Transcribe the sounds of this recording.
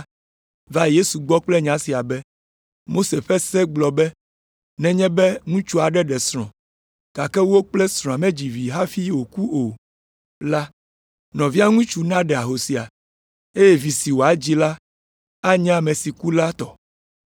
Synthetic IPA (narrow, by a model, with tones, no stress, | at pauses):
va˦je˦su˨ɡ͡bɔ˦k͡plɛ˦ɲã˨˦si˨a˨bɛ˦ | mo˦se˨ɸɛ˦sɛ˦ɡ͡blɔ˨bɛ˦ | nɛ̃˨ɲɛ̃˦bɛ˦ŋũ˦t͡ʃu˦a˨ɖɛ˦ɖɛ˨sɾ̃ɔ̃˨ | ka˨kɛ˦wo˦k͡plɛ˦sɾ̃ɔ̃˨a˨mɛ̃˦d͡ʑi˨vi˨ɦa˦fi˦wo˨ku˦ʔo˨ | la˦ | nɔ̃˨vi˦a˦ŋũ˦t͡ʃu˦nã˦ɖɛ˨a˨ɦo˨si˨a˨ | e˦jɛ˦vi˨si˨wo˨a˨˦d͡ʑi˦la˦ | a˦ɲã˦˨mɛ̃˨si˨ku˦la˦t̪ɔ˨